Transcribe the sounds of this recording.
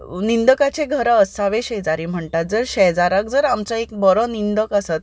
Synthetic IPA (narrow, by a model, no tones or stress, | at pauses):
nind̪əkat͡ɕeɡʱəɾaəsaʋeɕɛd͡zaɾiːm̤əɳʈat̪̚d͡zəɾɕɛd͡zaɾak̚d͡zəɾamt͡saekbəɾɔnind̪əkasat̪̚